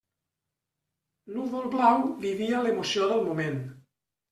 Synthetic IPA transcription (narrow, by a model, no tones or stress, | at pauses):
nuðolˠβlawβiβialemusjoðəlˠmumẽn